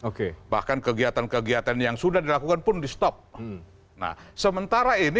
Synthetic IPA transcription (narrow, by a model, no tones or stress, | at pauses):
okeba̰hkankəɡiat̪ankəɡiat̪anjaŋsudahdilakukanpʊndist̪ɔp̚ | na̰hsəmənt̪aɾaini